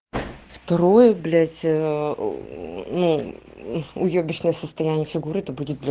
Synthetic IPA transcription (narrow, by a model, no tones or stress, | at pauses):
ft̪ɐɾo̞jəblʲætʲ | nu | ʊjobʲɪʂnəjəsəst̪ɐjænʲɪjəfʲɪɡuɾɨɛt̪əbudʲɪt̪̚blʲ